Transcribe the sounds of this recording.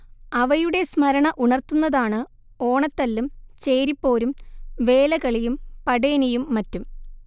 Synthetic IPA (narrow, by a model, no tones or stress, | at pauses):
ɐʋɐjuɽe̞smɐɾɐɳɐʔuɳɐrt̪unːɐðaːɳɨ | o̞ːɳɐt̪ːɐlːumt͡ɕeːɾipːo̞ːɾumʋe̞ːlɐkɐɭijumpɐɽeːnijumːɐtːum